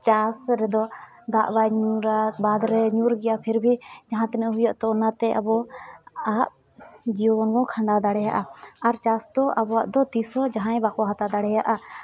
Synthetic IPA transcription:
t͡ʃasɾɛd̪ɔ | d̪aʔbajɲuɾabad̪ɾɛɲuɾɡɛjapʰɛɾbʱid͡ʒaɦãt̪ɛnɛʔɦujaʔt̪ɔɔnat̪ɛʔa̰bɔ | aʔ | d͡ʒiɔbɔnɡɔ̃kʰaɳɖad̪aɽɛjaʔaaɾt͡ʃasd̪ɔʔabɔaʔd̪ɔt̪isɔd͡ʒaɦãɛ̃bakɔɦat̪ad̪aɽɛjaʔa

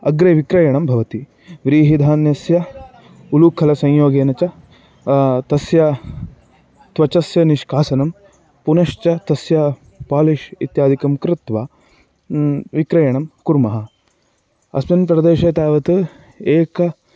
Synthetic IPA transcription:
ɐɡɾɐʋikɾɐjɐɳɐmbʱɐʋɐt̪i | ʋɾiːɦid̪ʱaːnjɐsjɐ | ulukʰɐlɐsɐ̃ɲjoːɡeːnɐt͡ʃɐ | t̪ɐsjɐ | t̪ʋɐt͡ʃɐsjɐniʃkʰaːsɐnɐm | punɐʃt͡ʃɐt̪ɐsjɐ | paːliʃḭt̪jaːd̪ʱikɐmkɾɪt̪ʋaː | ʋikɾɐjɐɳɐmkuɾmɐɦɐ | ɐ̰smɐnpɾɐd̪eːʃɐt̪aːʋɐt̪ɨ | eːkɐ

